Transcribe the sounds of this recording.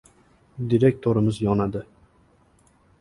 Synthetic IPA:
d̪iɾek̚ʲt̪ʰoɾɪmɪzjɒnad̪ɪ

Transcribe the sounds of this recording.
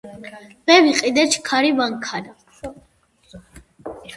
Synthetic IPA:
mɛviqʼid̪ɛt͡ʃʰkʰaɾivaŋkʰana

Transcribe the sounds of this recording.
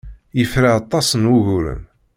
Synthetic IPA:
jəfɾaɑt̪ˤːɑsənwuʝuɾə̰n

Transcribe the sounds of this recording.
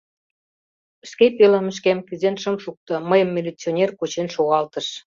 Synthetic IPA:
əʃkepelə̆məʃ̬kæmkyzenʃə̆mʃuk̚t̪ɤ̆məjə̆mːʲilʲit͡sʲionʲerkut͡ɕenʃoɣɑlt̪ə̆ʃ

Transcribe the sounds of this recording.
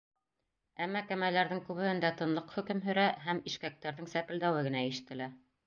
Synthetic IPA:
æmːækæmælæɾðɘŋkʉβɘ̆hɘ̆nd̪æt̪ɤ̆nlˠɤqhɵ̆kɘmɦɵ̆ɾæɦæmiʃkæk̚t̪æɾðɘŋsæpɘ̆ld̪æwɘɡɘ̆næiʃɘ̆t̪ɘ̆læ

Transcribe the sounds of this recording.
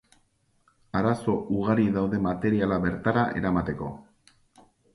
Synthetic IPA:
aɾaso̞ʔuɣaɾiðawðe̞mat̪e̞ɾialaβe̞ɾt̪aɾaʔe̞ɾamat̪e̞ko̞̰

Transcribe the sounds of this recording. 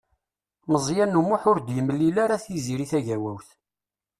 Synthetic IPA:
məzˤjænːumuħʊɾd̪jəmːəlilaɾaθjiziɾiθæʝæwæwθ

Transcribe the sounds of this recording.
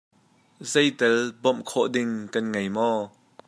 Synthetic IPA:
zɛjt̪ɛlbɔmkʰɔʔdɪŋkɐnŋejmɔ

